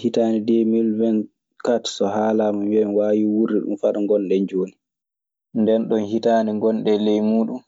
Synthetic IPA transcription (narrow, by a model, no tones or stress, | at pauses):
hitaːnidemilvɛn | katsɔɦaːlamɔmwɛnwaːwiwuɾːiɗṵmfaɗaŋɡɔnɗɛɲd͡ʒoːni | ndɛnɗɔnhitaːniŋɡɔnɗɛlɛjmuːɗum